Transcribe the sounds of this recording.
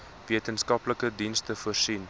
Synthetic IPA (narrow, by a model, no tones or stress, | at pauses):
viətənskɐpləkədinstəfuərsin